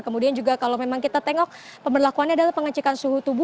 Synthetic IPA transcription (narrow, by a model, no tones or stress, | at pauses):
kəmudiand͡ʒuɡakalomemaŋkit̪at̪ɛŋɔk̚pəmbərlakuanɲaːdalahpəŋat͡ʃikansuɦut̪ubu